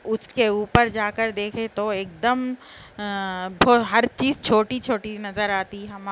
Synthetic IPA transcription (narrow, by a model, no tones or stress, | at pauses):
ʊskeuːpəɾd͡ʒaːkəɾd̪eːkʰet̪oeːk̚d̪əm | bʱoːɦɐɾt͡ʃiːzt͡ʃʰoːʈit͡ʃʰoːʈinɐzəɾaːt̪iɦɐm